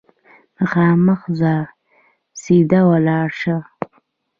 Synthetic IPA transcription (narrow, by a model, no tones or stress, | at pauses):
məxɑːməxzɑɾ | sid̪awalɑːɾʂə